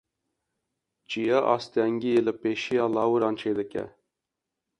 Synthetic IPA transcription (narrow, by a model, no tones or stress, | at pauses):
d͡ʒijɑːʔɑ̰ːst̪ɛŋɡijelɨpeːʃijɑːlɑːwɨɾɑːnt͡ʃʰeːd̪ɨkʲɛ̰